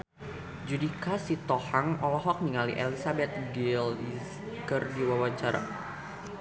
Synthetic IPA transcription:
d͡ʒudikasit̪ɔhaŋɔlɔɦɔk̚niŋalḭʔelisabɛt̪̚ɡɪli | kərdiwawaɲt͡ʃaɾa̰

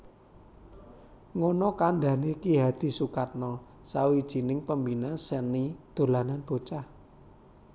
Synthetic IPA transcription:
ŋonɔkaɳɖa̤nekiɦad̪̥i̤sukat̪̚nɔ | sawid̥ʒ̥i̤nɪŋpəmbinasənid̪̥o̤lananb̥o̤t͡ʃah

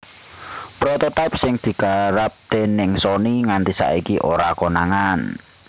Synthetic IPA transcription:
pɾɔt̪ɔt̪ajp̚sɪŋd̪̥i̤kaɾap̚d̪̥e̤nɪŋsɔniŋant̪isa̰ikiʔoɾakonaŋan

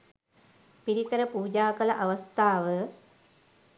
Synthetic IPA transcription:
piɾikɐɾɐpuːd͡ʒaːkɐlɐʔɐʋɐst̪ʰaːʋə

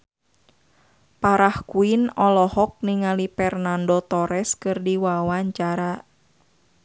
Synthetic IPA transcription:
paɾahkuinɔlɔhɔk̚niŋalipɛrnandɔt̪ɔɾɛskɨrdiwawaɲt͡ʃaɾa

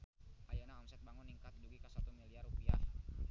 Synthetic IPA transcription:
ʔajanaamsɛt̪̚baŋʊnːiŋkat̪̚d͡ʒuɡikasat̪umiliarupia̰h

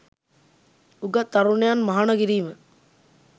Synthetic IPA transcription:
uɡat̪ːaɾuɳejanmaɦaɳokiɾiːmə

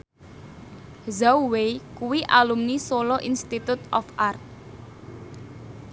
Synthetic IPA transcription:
zawwejkuwiʔalumnisolɔʔinst̪it̪ut̪ɔfʔart̪̚

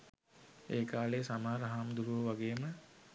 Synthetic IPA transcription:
eːkaːlejsamaːɾəɦaːmd̪uɾuʋəʋaɡeːmə

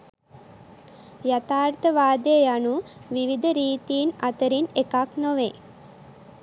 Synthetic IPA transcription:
jat̪aːrt̪əʋaːd̪əjəjanuʋiʋid̪əɾiːt̪iːnat̪əɾinekaknoʋe

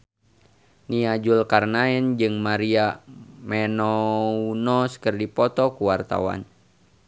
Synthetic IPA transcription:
niad͡ʒulkarnaɛnd͡ʒɨŋmaɾiamɛnɔunɔskərdipɔt̪ɔkuwart̪a̰wa̰n

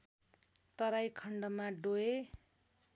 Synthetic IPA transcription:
t̪ʌɾajkʰʌɳɖʌmaɖoe

